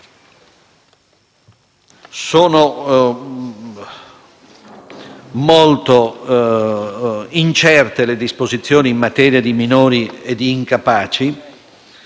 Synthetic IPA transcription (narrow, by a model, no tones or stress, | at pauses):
soːno | molt̪o | int͡ʃɛrt̪eled̪ispozit̪sːjoːniːmːat̪ɛːɾjad̪iminoːɾied̪ːiːŋkapaːt͡ʃi